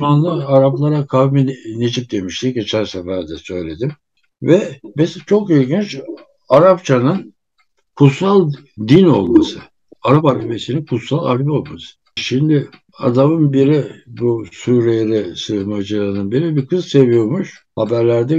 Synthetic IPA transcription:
manlˠaaɾaplˠaɾakʰavminet͡ʃʰik̚d̪e̞miʃt̪iɟe̞t͡ʃʰæɾsɛfæɾd̪ɛsø̞jlʲe̞d̪im | vɛbizt͡ʃʰo̞kilʲɟint͡ʃ | aɾapt͡ʃʰanɯn | kʰut̪salˠ | d̪ino̞lˠmasɯ | aɾapalbesininkʰut̪salˠa̰lʲbio̞lˠmasɯ̥ | ʃimd̪ɪ | a̰d̪amɯnbiɾibusuɾejeɾɛsɯhmad͡ʒɯlˠaɾɯnɯnbiɾibikʰɯzse̞vijo̞muʃhabæɾlʲæɾd̪ɛ

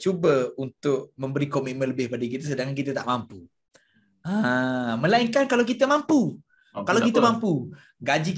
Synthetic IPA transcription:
t͡ʃubəunt̪ʊʔ̚mə̃mbəɾikomiʔ̪̚mə̃nləbɪhbadakit̪əsədaŋkank̬it̪ət̪aʔmampu | aməlaiŋkankalawkit̪əmampu | kalawkit̪əmampu | ɡad͡ʒik

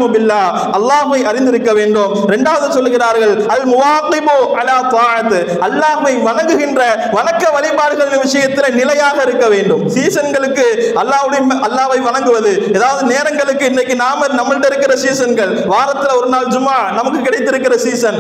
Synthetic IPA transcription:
ʊbɪlːaː | ʔɐlːaːɦɯʋɐɪʔɐɾɪnd̪ɪɾɯkːɐʋeːɳɖoːmɾɛɳɖaːʋɐðɯsɔlːɯɣɪɾaːɾɣɐɭɐlmʊʋaːqɪbʊʔɐlaːt̪ɑːʕɐt̪ | ɐlːaːɦɯʋɐɪʋɐnɐŋɡɯɣɪndrɐ | ʋɐnɐkːɐʋɐlɪpaːɽɯɣɐɭɪnʋɪsɐjɐt̪ːɪlɐnɪlɐjaːɣɐɪɾɯkːɐʋeːɳɖɯmsiːsɐnɡɐɭɯkːɯʔɐlːaːɦɯɽɐjmɐlːaːʋɐɪʋɐnɐŋɡɯʋɐðɯeːðaːʋɐðɯneːɾɐŋɡɐɭɯkːɯɪnːɐkːɯnaːmɐnɐmːɐlʈːɐɪɾɯkːɪrɐsiːsɐnɡɐɭ | ʋaːɾɐt̪ːɪlɔɾɯnaːld͡ʒʊmaːnɐmɐkːɯkːɪɽɐɪt̪ːɪɾɯkːɪrɐsiːsɐn

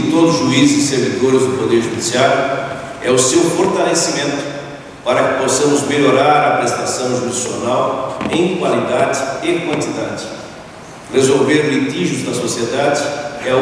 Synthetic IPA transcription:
ɪt̪od̪ʊʊzʒuizɪzɪseɾvid̪oɾɪzd̪ʊpod̪eɾʒud̪isiaɾjʊ | ɛʊsewfoɾt̪alesimẽnt̪ʊ̥ | paɾɐkɪ̥posɐ̃mʊzmeʎoɾaɾɐpɾest̪asɐ̃w̃ʒud̪isio̰nawẽj̃kwalid̪ad͡ʒɪɪkwɐ̃nt̪id̪ad͡ʒɪ | rezowveɾlit̪iʒʊzd̪ɐsosied̪ad͡ʒɪɛ

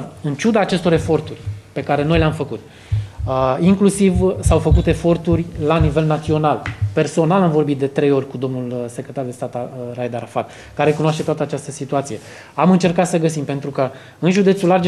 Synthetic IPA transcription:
ɨnt͡ʃud̪aːt͡ʃe̞st̪o̞ɾe̞fo̞rt̪urʲpe̞kaɾe̞no̞jleamfəkut̪̚ | iŋklusivsawfəkut̪e̞fo̞rt̪urʲlanive̞lnat̪sio̞nalpe̞rso̞nalamvo̞rbit̪̚d̪e̞t̪ɾe̞jo̞rʲkud̪o̞mnulsekɾʲet̪ard̪est̪at̪arajd̪aɾafad̪ | kaɾe̞kunaʃt̪e̞t̪oat̪əat͡ʃast̪əsit̪uat̪sije̞ | amɨnt͡ʃe̞rkat̪səɡəsimpe̞nt̪ɾukə | ɨnʒud̪e̞t̪sulard͡ʒ

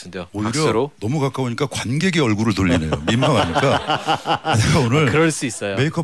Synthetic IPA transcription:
dooiɾjʌɾonʌmukak͈aoɲik͈akwanɡe̞ɡe̞ʌɭɡuɾɯɭtoʎːine̞jomimaɡaɲik͈a | kɯdeaonɯɾkɯɾʌɭs͈uis͈ʌjomeikʰʌ

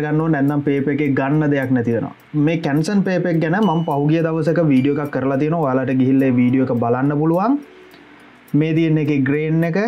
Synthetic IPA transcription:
ɡanːoːnɛnt̪ampeːpekeɡanːəd̪ejaknæt̪ijəno̰a̰ | meːkænsənpeːpek̚ɡænəmampaɦuɡijəd̪aʋəsəkəʋiːɖijoekakːəɾəlat̪ijənoaojalaʈəɡiɦilːeʋiːɖijoekəbalanːəpuluʋaŋ | meːt̪ijenːekeɡɾeːnːekə

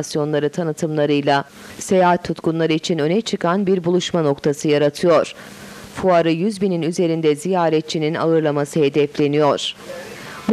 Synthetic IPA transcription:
sjo̞nlˠaɾɯt̪ʰanɯt̪ʰɯmlˠaɾɯjlˠa | se̞jaːɦat̪ʰːut̪kunlˠaɾɯit͡ʃʰinø̞nɛt͡ʃʰɯkʰanbiɾbulˠuʃmano̞kt̪ʰasɯjaɾat̪ʰɯjo̞ɾ̥ | fuaɾɯjyzbininyze̞ɾind̪ɛzijaːɾɛt̪̚t͡ʃʰinina̰ɯɾlˠamasɯɦe̞d̪ɛflʲe̞nijo̞ɾ̥ | m

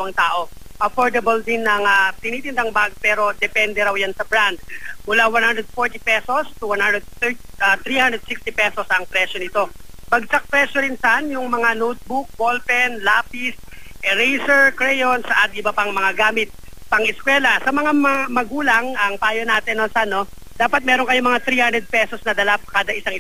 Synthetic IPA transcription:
lɐwɐŋt̪aːʔo̞ | ʔɐfoɹd̪ɐbɐld̪ɪnɐŋɐp̪ɪniːt̪ɪnd̪aŋbaɡ̚pɛːɾo̞d̪ɛpɛnd̪ɛɾawjansɐbɾand̪̚mʊlawanhand̪ɾɛd̪̚foɹt̪ipɛso̞st̪uwanhand̪ɾɛd̪̚θɛɹt̪ɐt̪ɾihand̪ɾɛd̪̚sikst̪ipɛsosʔɐŋpɾɛʃjonɪt̪o̞bɐɡ̚sak̚pɾɛʃjoɾɪnsɐʔanjʊŋmɐŋanot̪̚bʊk̚bolpɛnlaːpis | ʔɛɾɛjsɛɹkɹɛjonsʔɐt̪̚ʔɪbɐpɐŋmɐŋaɡaːmɪt̪̚ | pɐŋʔɪskwɛːlɐsɐmɐŋamɐamɐɡuːlɐŋʔɐŋpaːjonaːt̪ɛnːosano̞ | d̪aːpɐt̪̚mɛːɾoŋkɐjomɐŋat̪ɾihand̪ɾɛd̪̚pɛsosnɐd̪ɐlap̚kaːd̪ɐʔɪsaŋʔɪ

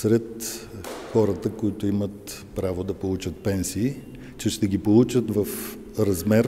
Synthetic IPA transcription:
sɾɛt̪ | xɔɾət̪əkoit̪ʊimət̪ | pɾavod̪ɐpolˠut͡ʃət̪̚pɛnsiː | t͡ʃɛʃt̪ɛɡʲipolˠut͡ʃət̪vɐf | ɾɐzmɛɾ

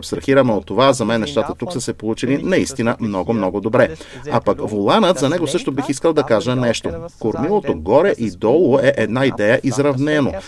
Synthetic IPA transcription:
pst̪ɾɐxiɾɐmɛot̪ːovazɐmɛnːɛʃt̪at̪ət̪uksəsɛpolˠut͡ʃilinɐist̪inəmnɔɡomnɔɡod̪obɾɛ | apɐkvolˠanət̪zɐnɛɡosɤʃt̪obixiskəlˠd̪ɐkaʒənɛʃt̪okoɾmilˠot̪oɡɔɾɛʔid̪ɔlˠoɛʔɛd̪naid̪ɛjəʔizɾɐvnɛno

